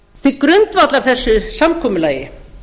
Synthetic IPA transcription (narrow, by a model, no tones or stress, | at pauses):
θikɾʏnt̪vat̪laɾ̥θɛsːʏsamkʰɔːmʏlaːjɪ̰